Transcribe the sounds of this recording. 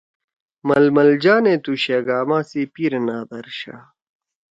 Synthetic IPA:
mɐlmɐld͡ʑaːnet̪uɕeːɡaːmãːsipiɾnaːd̪ɐɾɕa̰

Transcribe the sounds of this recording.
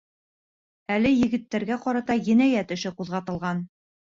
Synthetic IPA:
ælɘjɘ̆ɡɘ̆t̪ːæɾɡæqɒɾɑt̪ɑjɘ̆næjæt̪ɵ̆ʃɘquðʁɑt̪ɤ̆lˠʁɑn

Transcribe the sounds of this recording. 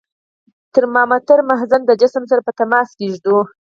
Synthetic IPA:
t̪əɾmɑmat̪əɾmaɦzand̪əd͡ʒɪsmsaɾapət̪amɑskeʒd̪o

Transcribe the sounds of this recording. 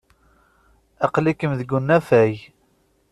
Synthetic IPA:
æqlikəmðəɡunːæfæj

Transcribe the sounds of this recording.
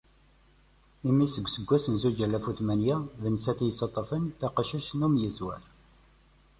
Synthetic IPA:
imisəɡʷːsəɡʷːæsənzud͡ʒælːæfuθmænjæðənt͡sæθjət͡sːɑt̪ˤːəfənt̪æqəʃuʃnumjəzwæ̰ɾ

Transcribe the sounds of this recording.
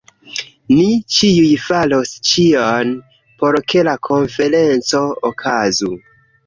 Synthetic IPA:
nit͡ʃiujfalo̞st͡ʃian | po̞ɾkʰe̞lakʰo̞nfe̞ɾe̞nt͡so̞okʰazu

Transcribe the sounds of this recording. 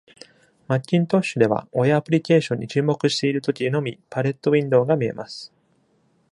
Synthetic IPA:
makʲːĩnt̪o̞ɕːɨd̪e̞βa̰ojapɯ̟ɾʲike̞ːɕõ̞ɲ̟ːit͡ɕɨːmo̞kɯ̟ɕi̥t̪e̞iɾɯ̟t̪o̞kʲieno̞mʲipaɾe̞t̪ːo̞βʲĩnd̪o̞ːɡamʲie̞̰masɨ̥

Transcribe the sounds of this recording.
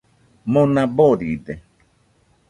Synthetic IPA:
monãboɾid̪e

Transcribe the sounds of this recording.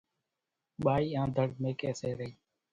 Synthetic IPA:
ɓaːiːãːd̪ʱəɽmẽːkɛːseːɾəiː

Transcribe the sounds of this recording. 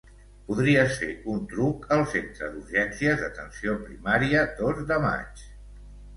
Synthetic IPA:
puðɾiəsḛunt̪ɾukəlˠsent̪ɾəðuɾʒɛnsiəzðət̪ənsiopɾimaɾiəd̪ozd̪əma̰t͡ʃ

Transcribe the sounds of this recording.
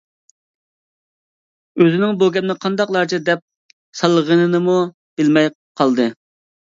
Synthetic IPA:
øzɪnɪŋboɡʲɛpnɨqʰɑnd̪ɑqlˠɑɾt͡ʃʰid̪ɛp̚ | sɑlˠːəʁənɨnɨmu | b̥ɪlmɛj | qʰɑlˠd̪ɨ

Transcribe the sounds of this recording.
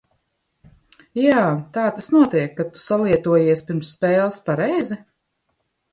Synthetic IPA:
jaːt̪aːt̪asnuɔt̪iɛkːat̪u̥salˠiɛt̪uɔjiɛsʲpʲiɾmsːpɛːlˠspaɾɛjzi

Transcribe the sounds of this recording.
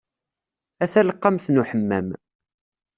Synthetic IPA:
æθæləqːɑmθnuħəmːæ̰m

